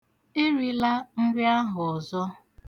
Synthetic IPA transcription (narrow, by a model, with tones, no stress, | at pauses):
ɪ˦ɾi˦la˦n̩˦dɪ˦a˦ɦʊ˨ɔ˨zɔ˦